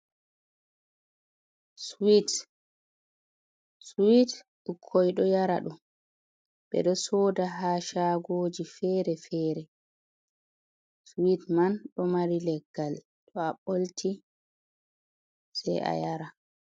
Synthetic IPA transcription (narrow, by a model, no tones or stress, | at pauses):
swit | swit | ɗukʰːɔjɗɔjaɾa̰ɗum | ɓɛ̰ɗɔsɔːdaɦaːʃaːɡoːd͡ʒifɛːɾɛfɛːɾɛ | switmanɗɔmaɾilɛɡːal | ɗɔaɓoltʰi | sɛ̰jʔa̰jaɾa